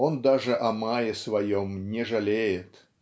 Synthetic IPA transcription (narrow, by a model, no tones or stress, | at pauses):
ond̪aʐɨʔɐmajɪsvɐjɔmnʲɛʐɐlʲejɪt̪